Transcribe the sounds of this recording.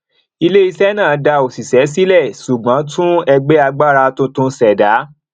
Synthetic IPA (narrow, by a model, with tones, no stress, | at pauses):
i˧le˦i˧sɛ˦nãː˦˨˦da˧o˨si˨sɛ˨˦s̬i˦lɛ˦˨su˨ɡ͡bã˨˦tũ˦ɛ˧ɡ͡be˦a˧ɡ͡ba˦˨ɾa˧tũ˦tũ˧sɛ˨da˨˦